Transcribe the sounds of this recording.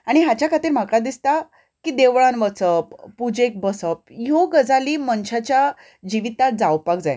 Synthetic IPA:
aɽ̃iɦat͡ɕjakʰat̪iːɾm̤akɭad̪ist̪a | kid̪eʋɭãnʋət͡səppːud͡ʑek̚bəsəp̚joɡəd͡zaliːmənɕat͡ɕja | d͡ʑiʋit̪ad͡zawpakd͡zaj

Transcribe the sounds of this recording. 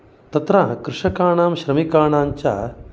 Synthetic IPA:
t̪ɐt̪ɾakɾɪʂɐkaːɳaːmɕɾɐmikaːɳaːɲt͡ʃa̰ː

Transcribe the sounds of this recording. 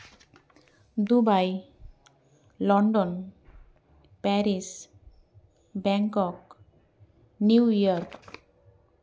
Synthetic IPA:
d̪ubaj | lɔɳɖɔn | pɛɾis | bɛŋkɔk | niwiɔɾk

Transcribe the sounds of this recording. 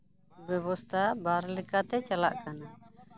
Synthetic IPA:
bɛbɔst̪ʰabaɾlikat̪ɛt͡ʃala̰ʔkana

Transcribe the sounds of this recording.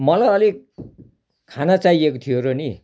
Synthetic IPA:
mʌlajʌli | kʰanat͡saiekot̪ʰijoɾoni

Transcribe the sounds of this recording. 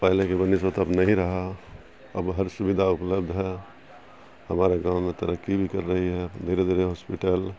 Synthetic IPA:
pɛɦlekebənisʋət̪əbnəɦĩɾəɦa | ə̰bɦəɾsubid̪ʱaupləb̚d̪ʱɦɛ | həmaɾaɡãwmet̪əɾəkːibʱikəɾːəɦiɦɛd̪eɾed̪eɾeɦospiʈəl

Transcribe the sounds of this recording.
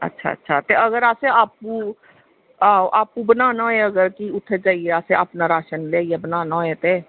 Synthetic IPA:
ə̰tːʃʰa̰ːə̰tːʃʰaːt̪eəɡəɾaːseaːp̚u | aʔaːp̚ːubənaːnaeəɡəɾkiʊt̪ʰːed͡ʒaːieaːseaːpnaɾaːʃənleːijaːbənaːnaeːt̪eː

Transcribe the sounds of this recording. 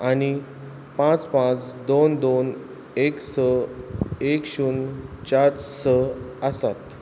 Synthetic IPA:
añi | pãt͡spãt͡sd̪ond̪on | eksə | ekɕuːnt͡ɕat͡ssəəsat̪

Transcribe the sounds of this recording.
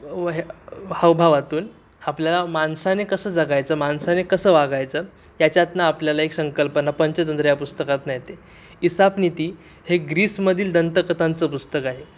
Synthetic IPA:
ɦaʋbʱaʋat̪uːn | apljalamansanekəsəːd͡zaɡajt͡səːmansanekəsəːʋaɡajt͡səː | jat͡ɕjat̪naːpljalaeksəŋkəlpənapəɲt͡ɕət̪ənt̪ɾəjapust̪əkat̪najt̪e | isapnit̪iː | heɡɾiːsməd̪ʱiːld̪ənt̪əkət̪ant͡səːpust̪əkaɦe

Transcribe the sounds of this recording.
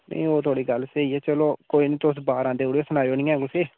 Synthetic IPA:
nə̰̃ĩːoːt̪ʰoːɽiːɡəlseːiːɛːt͡ʃəloːkoːiːnĩːt̪ʊsbaːɾãːnd̪eːoːɽiosənaːioːnĩːɛ̃ːɡʊseː

